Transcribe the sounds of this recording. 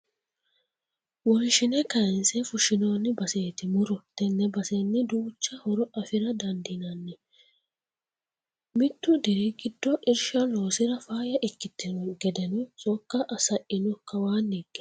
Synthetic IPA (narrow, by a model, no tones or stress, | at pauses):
wɔnʃɪnɛkɐnsɛfʊʃɪnoːnːɪbɐseːt̪ɪmʊɾɔt̪ɛnːɛbɐsenːɪd̪uːt͡ʃːɐhɔɾɔʔɐfɪɾɐd̪ɐnd̪ɪnɐnːɪ | mɪt̪ːʊd̪ɛɾɛɡɪd̪ːɔʔɪɾʃɐlo̞ːsɪɾɐfaːjɐʔɛkːɪt̪ːɪnɔɡɛd̪ɛnɔt͡sʼɔkːɐʔɐsɐʔɪnɔkɐwaːnːiɡːɛ̥